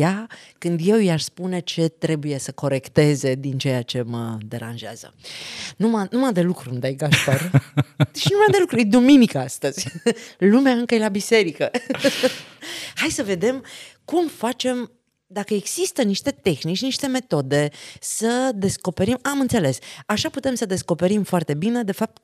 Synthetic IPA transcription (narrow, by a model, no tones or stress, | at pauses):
jakɨnd̪je̞wijaʃspune̞t͡ʃe̞t̪ɾe̞buje̞səko̞ɾe̞kt̪e̞ze̞d̪int͡ʃe̞jat͡ʃe̞mə̰d̪e̞ɾa̰nʒea̰z̥ə̰numanumad̪e̞lukɾumd̪ajɡaʃpar | ʃinumad̪e̞lukɾujed̪uminikəast̪əz̥ʲlumeaɨŋkəjelabise̞ɾikə | hajsəve̞d̪e̞mkumfat͡ʃe̞m | d̪akəeɡz̥ist̪əniʃt̪e̞t̪e̞xnit͡ʃniʃt̪e̞me̞t̪o̞d̪e̞səd̪e̞sko̞pe̞ɾimamɨnt̪se̞le̞saʃaput̪e̞msəd̪e̞sko̞pe̞ɾimfoart̪e̞bine̞d̪e̞fap̚t̪̚